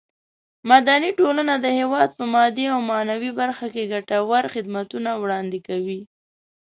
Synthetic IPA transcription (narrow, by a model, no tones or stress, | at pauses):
mad̪aniʈolanad̪əhewɑd̪̚pəmɑd̪iawmɑnawibaɾxakeɡaʈawaɾxɪd̪mat̪unawɽɑnd̪ɪkawi